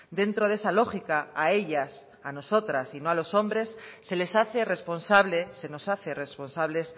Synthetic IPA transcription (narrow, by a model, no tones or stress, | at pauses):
d̪e̞nt̪ɾoðesalo̞xikaaeʎas | ano̞so̞t̪ɾasinoalo̞so̞mbɾe̞sːe̞le̞saθe̞re̞spo̞nsaβleseno̞saθeresponsaβle̞s